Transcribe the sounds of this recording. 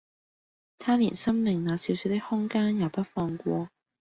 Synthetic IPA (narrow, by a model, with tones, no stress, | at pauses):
t̪ʰaː˥nḭː˨˩nsɐ˥mlɪ˨ŋnaː˨˧siː˨˧wsiː˨˧wt̪ɪ˥k̚hʊ˥ŋkaː˥njaː˨˩wpɐ˥t̚fɔː˧ŋkʷɔː˧